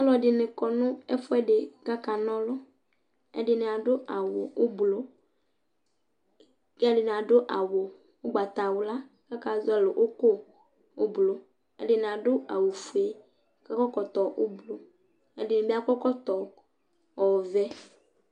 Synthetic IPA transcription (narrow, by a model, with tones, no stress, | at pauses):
nɔ̃˦lɔ˦˨dɪ˨nɪ˨kɔ˨nʊ̃˦ɛ˦fʊ˦ɛ˦ɖɪ˨ka˦ka˨nɔ̃˦lɔ˦ | ɛ̰˦dɪ˨nɪ̃˨a˨ɖʊ˦ʔa˨wo˨ʊ˦blo˨˦ | ɛ˦ɖɪ˨nɪ̃˨a˨ɖʊ˦ʔa˨wʊ˨ | wʊ˦ɡ͡ba˨t̪a˨wʊ˨la˦ | ka˦ka˨zʊ˦ɛ˨lʊ˨ʔo˦ko˦ | ʊ˦blo˨ | ɛ̰˦ɖɪ˨nɪ˨a˨ɖʊ˦a˨wu˨fu˨e˨ | ka˦kɔ˦kɔ˨t̪ɔ˨ʔʊ˦blo˨ | ɛ˦dɪ˨nɪ̃˨be˦a˦kɔ˦kɔ˦t̪ɔ˨ | ɔ˨wvɛ˦